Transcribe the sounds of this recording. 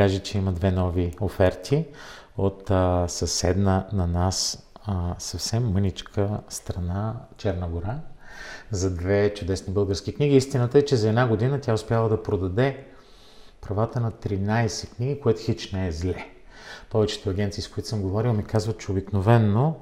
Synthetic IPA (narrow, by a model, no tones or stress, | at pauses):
aʒɛt͡ʃɛimɐd̪vɛnɔviofɛɾt̪ʰi | ot̪sɐsɛd̪nənɐnas | sɐfsɛmːɤnit͡ʃkʰəst̪ɾɐnat͡ʃɛɾnəɡoɾa | zɐd̪vɛt͡ʃʊd̪ɛsnibɤlˠɡəɾskʲikniɡʲiist̪inət̪əɛt͡ʃɛzɐɛd̪naɡod̪inət̪ʲjaʊspʲjalˠəd̪ɐpɾod̪ɐd̪ɛ | pɾɐvat̪ənɐt̪ɾinajsɛkniɡikoɛt̪ʊxit͡ʃnɛɛzlɛ | pɔvɛt͡ʃɛ̥t̪ʊɐɡʲɛnt̪siːskʊit̪ʊ̥səmɡovɔɾilˠmikazvət̪̚t͡ʃɛobiknovɛnːo